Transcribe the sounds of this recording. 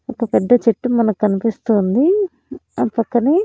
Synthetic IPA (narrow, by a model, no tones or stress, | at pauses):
ɐkːɐpɛd̪ːɐt͡ʃeʈːumɐnɐkkɐnipist̪uːnd̪i | ɐpɐkːɐni